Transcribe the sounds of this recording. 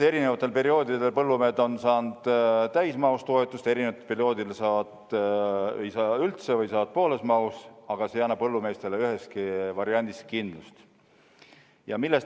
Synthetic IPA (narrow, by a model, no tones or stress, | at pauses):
e̞ɾinevɑt̪ːˑe̞lpe̞ɾio̞ːd̪id̪e̞lpɤlːumeːd̪o̞nsɑːnd̪̥t̪æjsmɑust̪o̞et̪ːˑust̪e̞ɾinevɑt̪epeɾio̞ːd̪ilesɑːvɑd̪̥ | jsɑːylt̪sevɤjsɑːd̪̥̚po̞ːle̞smɑusɑɡ̥ɑsejænːɑppɤlːume̞st̪e̞leyɦe̞skivɑɾiɑnʲd̪iskind̪̥lust̪ | jɑmilːe̞st